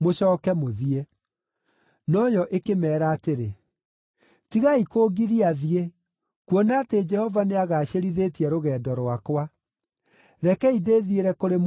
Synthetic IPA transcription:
moɕɔːkɛmoðie | nɔjɔʔekemɛːɾaːteɾe | tiɣaikoːɡiɾiaðie | kuɔnaːted͡ʒɛhɔvaneaɣaːɕeɾiðeːtiɛɾoɣɛːdɔɾwakwa | ɾɛkɛideːðieɾɛkoɾem

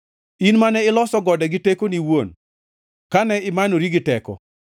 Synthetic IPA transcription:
inmanɛɪlɔsɔɡɔdɛɡɪtekoniwon | kanɛɪmanoɾiɡɪtɛkɔ̰

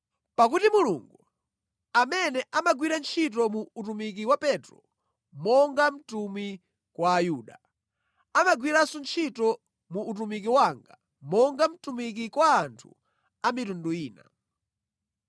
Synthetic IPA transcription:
pak̬utimuluŋɡu | amɛnɛʔamaɡwiɾant͡ʃʰitɔmuːtumik̬iwapɛtɾɔ̰ | mɔŋɡam̩tumi | kwaːjuɗa | amaɡwiɾasunt͡ʃʰitɔ | muːtumikiwaŋɡa | mɔŋɡam̩tumik̬ikwaːntʰṵ | amitunduiːna̰

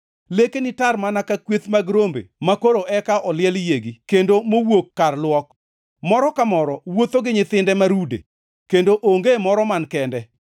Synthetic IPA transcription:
lekenɪtarmanakakwet̪maɡɾombḛmakoɾoʔɛkaʔɔlɪɛljeɡikendomowokːarlwɔk | mɔɾɔkamɔɾɔwot̪oɡɪɲɪt̪ɪndɛmaɾudḛ | kendoʔoŋɡemɔɾɔmankɛndɛ

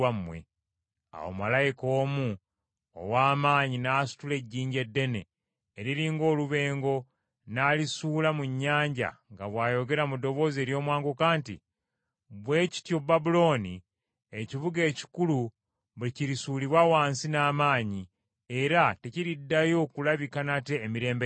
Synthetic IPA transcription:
amːwḛ | a̰wo̰malajiko̞ːmu | o̰waːmaːɲinaːsu̥tule̞ɟːiːɲɟe̞dːe̞ne̞̰ː | ɾiɾiːŋɡo̞ːluβe̞ːŋɡo̞ | naːlisuːlamuɲːaːɲɟa̰ŋɡaβwaːjo̞ɡe̞ɾamudo̞βo̞ːze̞ːɾjo̞ːmwaːŋɡokaːntḭ | βweːci̥tjo̞babulo̞ːnḭ | eciβuɡe̞ːci̥kulu | βuliciɾisuːliβwawaːnsinaːmaːɲi | e̞ɾate̞ciɾidːajo̞kulaβikanate̞ːmiɾe̞ːmbe

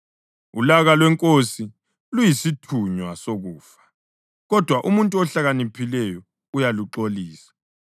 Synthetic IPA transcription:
ulaɣalwɛŋkʼosi | lujisitʰuɲwasoɣuːfḁ | ɣɔd̥ʱwaʔumuntʼuɔɬaɣanipʰilɛjɔ | ujaluǃoliːsḁ

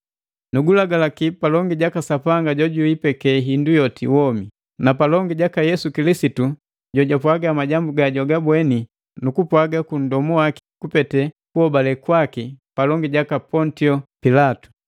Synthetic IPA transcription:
nuɡulaɡalakipalɔŋɡiɟakasapaŋɡaɟɔɟuipɛkɛɦindujɔtḭwɔmi | napalɔŋɡiɟakajɛsukilisitu | ɟɔɟapwaɡamaɟambuɡaɟɔɡabwɛni | nukupwaɡakun̩dɔmuwaki̥kupɛtɛkuhɔbalɛkwakipalɔŋɡiɟakapɔntiɔpilatu̥

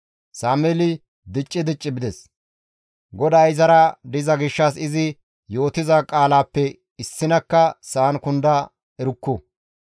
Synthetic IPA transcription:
saːmɛlɪ | d̪ɪt͡ʃʼːɪd̪ɪt͡ʃʼːɪbɪd̪ɛs | ɡɔd̪aːjɪzɐɾɐd̪ɪzɐɡɪʃːɐsɪzɪ | jo̞ːt̪ɪzɐkʼaːlaːpːɛ | ɪsːɪnɐkːɐsaːnkʊnd̪ɐ | ɛɾʊkːʊ

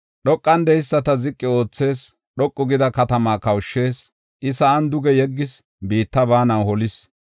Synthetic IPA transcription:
ɗɔkʼːɐnd̪ɛjɪsːɐt̪ɐzɪkʼːɪo̞ːt͡sːe̞ːs | ɗɔkʼːʊɡɪd̪ɐkɐt̪ɐmaːkɐwʊʃːe̞ːs | ʔɪsɐɐnd̪ʊɡɛjɛɡːɪs | biːt̪ːɐbaːnɐwhɔlɪs

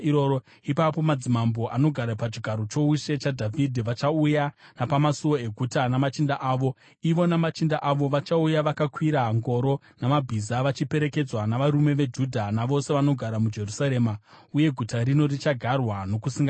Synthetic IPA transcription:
ioo | ipapo̞mad͡zimambo̞ʔanoɡʱaɾapat͡ʃiɡʱaɾot͡ʃo̞uʃe̞t͡ʃadʱavʱidʱiʋat͡ʃaujanapamasuwo̞e̞ɡʱutanamat͡ʃindaʔaːʋo̞ | iʋo̞namat͡ʃindaʔaʋo̞ʋat͡ʃaujaʋakakwiɾaɦŋɡo̞ɾo̞ | namabʱizaʋat͡ʃipe̞ɾe̞ke̞d͡zwanaʋaɾume̞ʋe̞d͡ʒudʱanaʋo̞se̞ʋano̞ɡʱaɾamud͡ʒe̞rusaɾe̞ːma | uje̞ɡʱutaɾino̞rit͡ʃaɡʱarwano̞kusiŋɡa

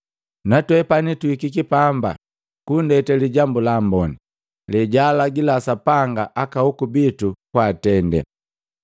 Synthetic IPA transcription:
natwɛpanituikikipamba̰ | kundɛtɛliɟambulambɔni | lɛɟalaɡilasapaŋɡaʔakahukubitukwaːtɛndɛ̰

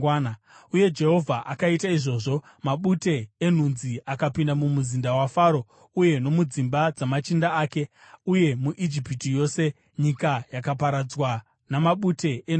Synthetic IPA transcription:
uje̞d͡ʒe̞ɦo̞vʱaʔakaitaiʐo̞ːʐo̞ | maɓute̞ːn̤unziakapindamumuzindawafaːɾo̞ | uje̞no̞mud͡zimbad͡zamat͡ʃindaaːke̞ | uje̞muʔid͡ʒipitijo̞ːse̞ | ɲikajakapaɾad͡zwa | namaɓute̞ʔe

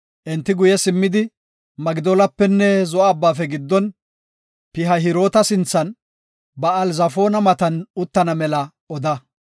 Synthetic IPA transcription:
ʔɛnt̪ːɪɡʊjɛsɪmːɪd̪ɪ | mɐɡɪd̪oːlɐpːɛnːɛzɔʔɐːbːaːfɛɡɪd̪ːɔn | pɪɦɐɦɪɾo̞ːt̪ɐsɪnt͡sːɐn | bɐːlzɐfo̞ːnɐmɐt̪ɐnʊt̪ːɐnɐmɛlɐ | ɔd̪ɐ

